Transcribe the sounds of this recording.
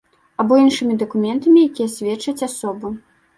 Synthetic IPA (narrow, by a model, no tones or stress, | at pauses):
abɔinʂɨmʲid̪ɐkumʲɛnt̪ɐmʲijakʲijɛsʲvʲɛtt͡ʂɐt͡sʲasɔbɨ